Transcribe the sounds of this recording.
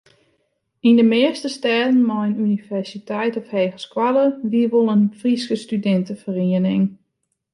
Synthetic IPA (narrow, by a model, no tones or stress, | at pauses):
indəmɪəstəstɛːdən̩mɔjnynivɛrsitʰɛjtɔfheːɣəskwaləʋiəʋolˠənfriskəstydɛntəfəriənɪŋ